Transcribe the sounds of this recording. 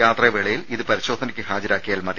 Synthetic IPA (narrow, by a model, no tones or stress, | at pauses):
aːt̪rɐʋeɭɐjiliðɨpɐɾiɕo̞ːd̪ʱɐnɐkʲːɨɦaːd͡ʑɐɾaːkːijaːlmɐð